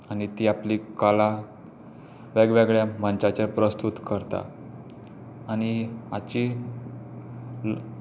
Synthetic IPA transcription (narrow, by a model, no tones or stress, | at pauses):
anit̪iːaplikala | ʋeɡʋeɡɭjamənt͡ɕat͡ɕepɾəst̪ut̪kəɾt̪a̰ | añiat͡ɕi